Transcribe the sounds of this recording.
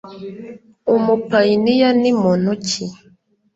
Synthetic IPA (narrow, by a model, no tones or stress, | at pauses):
omupainijanimɔnut͡ʃi